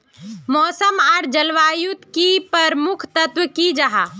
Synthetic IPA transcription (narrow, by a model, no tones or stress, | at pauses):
mɔːsəmaːɾd͡ʒəlʋaːjut̪kipəɾmʊkʰt̪ɐt̪wəkid͡ʒaɦa